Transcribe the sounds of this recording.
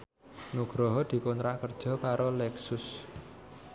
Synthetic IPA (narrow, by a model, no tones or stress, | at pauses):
nuɡ̥ɾɔɦɔd̪̥i̤kɔnt̪ɾaʔkərd̥ʒ̥ɔ̤kaɾolɛksʊs